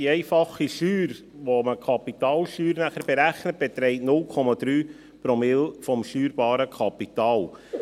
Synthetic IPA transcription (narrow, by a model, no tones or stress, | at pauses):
iɛɪfɑχiʃyːɾ | ʋoməkʰɑpit̪ɑːlʃyːɾnæχəɾb̥ɛɾæχnət̚b̥ɛt̪ɾɛɪtnʊlkʰɔmɑd̪̥ɾyː | pɾɔmɪlfɔmʃyːɾb̥ɑːɾəkʰɑpit̪ɑːl